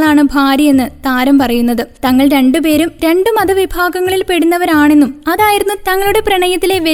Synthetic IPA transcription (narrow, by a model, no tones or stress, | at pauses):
ɭaːɳɨbʱaːɾjɐje̞nːɨt̪aːɾɐmpɐrɐjunːɐðɨt̪ɐŋːɐɭɾe̞ɳɖɨpe̞ːɾumɾe̞ɳɖɨmɐðɐʋibʱaːɡɐŋːɐɭilpe̞ɽunːɐʋɐɾaːɳe̞nːumɐðaːjiɾunːut̪ɐŋːɐɭuɽeprɐɳɐjɐt̪ːile̞ʋe